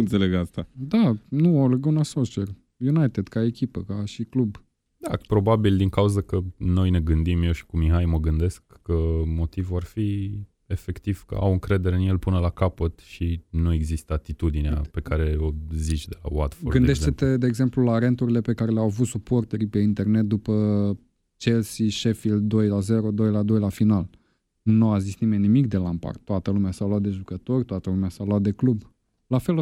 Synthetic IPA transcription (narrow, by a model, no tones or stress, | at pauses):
ɨnt̪seleɡast̪ad̪anuoləɡəunasot͡ʃer | junajt̪ed̪kae̞kʲipəkaʃiklub | d̪apɾo̞babild̪iŋkauzəkəno̞jne̞ɡɨnd̪imjewʃi̥kumiɦajməɡɨnd̪eskːəmo̞t̪ivarfi | e̞fe̞kt̪iv̥kə̰ʔa̰wɨŋkɾe̞d̪e̞ɾeɨnje̞lpɨnəlakapət̪ʃinue̞ɡzist̪əat̪it̪ud̪inea̰pe̞kaɾe̞ozit͡ʃʲd̪ela̰wa̰t̪foɾɡɨneʃt̪et̪e̞d̪e̞ːɡze̞mplulaɾe̞nt̪uɾile̞pe̞kaɾe̞leawavut̪supʰo̞rt̪eɾipe̞int̪e̞rne̞t̪̚d̪upə | t͡ʃe̞lsiʃe̞fild̪o̞jlaze̞ɾod̪o̞jlad̪o̞jlafinal | nuazisnime̞nʲːimikd̪e̞lampa̰rt̪ːoat̪əlumeasawlat̪̚d̪e̞ʒukət̪o̞rʲt̪oat̪əlumeasalwat̪̚d̪e̞klub | lafe̞l